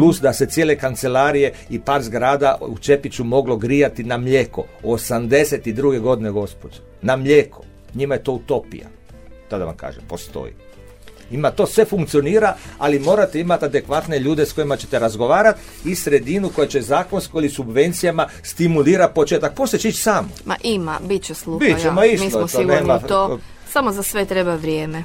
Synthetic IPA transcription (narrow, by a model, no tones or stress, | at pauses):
plusd̪ase̞t̪jele̞kant̪se̞laɾije̞ipaːɾzɡɾaːd̪aut͡ʃe̞pit͡ʃumo̞ɡlo̞ɡɾijat̪inamʎeko̰osamd̪e̞set̪id̪ɾuɡe̞ɡo̞d̪ineɡo̞spod͡ʒe | namʎeːkʰo | ɲimajet̪o̞ut̪o̞pḭja̰ | t̪ad̪aʋa̰mka̰ːʒempo̞st̪o̰jḭ | imat̪o̞ːsʋe̞fuŋkt̪sijo̞niːɾaalimo̞ːɾat̪eimat̪ad̪e̞kʋat̪neʎuːd̪esko̞jimat͡ɕe̞t̪eɾazɡo̞ʋaːɾat̪ | isɾe̞d̪inuko̞jet͡ɕe̞zaːko̞nskoilisubʋe̞nt̪sijama | st̪imuliːɾat̪̚pot͡ʃeːt̪ak̚post̪et͡ɕeit͡ʃsaːmoma̰ʔimabit͡ɕeslˠubit͡ʃemaiʃilooneːmat̪o | samozasʋet̪ɾebaʋɾjeːme